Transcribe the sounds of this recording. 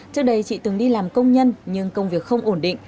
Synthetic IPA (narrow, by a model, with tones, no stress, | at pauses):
t͡ɕɨ˦˥ək̚ɗə˨˧jt͡ɕḭ˧˨t̪ɨ˨˩ŋɗi˧laː˨˩mkə˧wŋ͡mɲə˧nɲɨ˧ŋkə˧wŋ͡mvi˨˩ək̚xə˧wŋ͡mʔo˧˩nɗḭ̈˧˨ŋ̟